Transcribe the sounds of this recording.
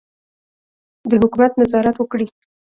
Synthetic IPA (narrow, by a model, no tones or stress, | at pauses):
d̪əhʊkumat̪nazɑɾat̪wəkɽi